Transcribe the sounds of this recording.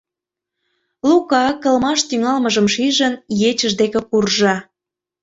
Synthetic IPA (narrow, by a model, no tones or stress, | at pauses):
lukɑkə̆lmɑʃt̪yŋɑlməʒəmʃiʒənjet͡ɕə̆ʒd̪ekĕkurʒɑ